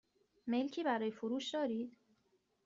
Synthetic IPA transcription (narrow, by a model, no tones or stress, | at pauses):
melcʰiːbæɾɒːjefoɾuːʃd̪ɒːɾiːd̪̥